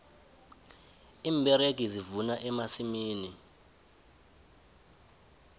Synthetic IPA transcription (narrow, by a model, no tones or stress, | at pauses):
iːmbʱɛɾeɡ̬ʱizivunaʔɛmasimiːni